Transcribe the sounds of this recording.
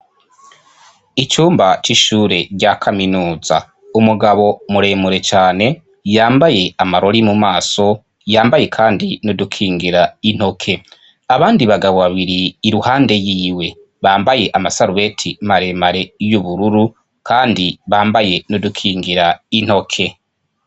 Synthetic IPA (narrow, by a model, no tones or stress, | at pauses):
it͡ʃuːmbat͡ʃiʃuːɾe̞ɾɟakʰaminuːza̰ | umuɡaβo̞muɾe̞ːmuɾe̞t͡ʃaːne̞ | jaːmbaje̞amaɾo̞ɾimumaːso̞ | jaːmbaje̞kʰaːndinodukʰiːŋɡiɾain̥ho̞kʰe̞ | aβaːndiβaɡaβo̞βaβiɾiːɾuhaːnde̞jiːwe̞ | βaːmbaje̞ʔamasaɾuβe̞tʰimaɾe̞maɾe̞juβuɾuɾu | kaːndiβaːmbaje̞nodukʰiːŋɡiɾain̥ho̞kʰe̞